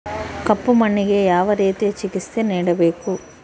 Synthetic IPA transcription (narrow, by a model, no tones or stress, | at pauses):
kɐpːumɐɳːiɡeːjaːʋɐɾeːt̪e̞ːt͡ʃikist̪eːniːɽɐbe̞ːku